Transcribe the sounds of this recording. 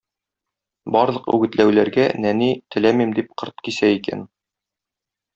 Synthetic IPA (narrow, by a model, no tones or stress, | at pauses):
bɒɾlˠɤ̆qʉ̰ɡɘ̆t̪læwlæɾɡænænit̪ɘ̆læmimd̪ip̚qɤ̆ɾt̪̚kisæikæ̰n